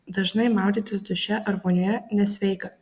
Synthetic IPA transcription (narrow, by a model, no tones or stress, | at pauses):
d̪ɐʒnɐɪmɑˑʊd̪ʲiːt̪ʲɪsd̪ʊʃʲɛʔɐɾʋoːnʲʊjɛnʲɛsʲʋʲɛɪkɐ